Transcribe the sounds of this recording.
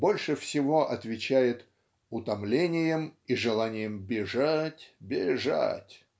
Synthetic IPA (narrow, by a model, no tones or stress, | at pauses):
bo̞lʲʂɨfsʲɪvo̞ʔɐt̪vʲɪt͡ɕæjɪt̪ | ʊt̪ɐmlʲenʲɪjəmiʐɨlˠanʲɪjəmbʲɪʐatʲbʲɪʐa̰tʲ